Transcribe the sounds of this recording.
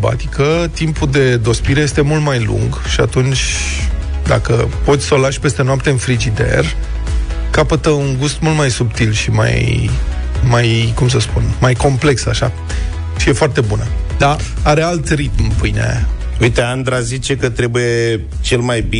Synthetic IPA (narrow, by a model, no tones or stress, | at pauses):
ba̰t̪ikət̪impud̪e̞d̪o̞spiɾe̞je̞st̪e̞mult̪majlṵŋɡʃiat̪unt͡ʃʲ | d̪a̰kəpo̞t̪sʲsolaʃʲpe̞st̪e̞noap̚t̪e̞ɨnfɾid͡ʒid̪e̞̰r | kapət̪əuŋɡust̪mult̪majsubt̪ilʃima̰j | majkums̬əspunmajko̞mple̞ksaʃa | ʃije̞foart̪e̞bunəd̪a | aɾe̞alt̪rit̪mpɨjnea̰ja̰ | ujt̪e̞and̪ɾazit͡ʃe̞kət̪ɾe̞buje | t͡ʃe̞lmajbi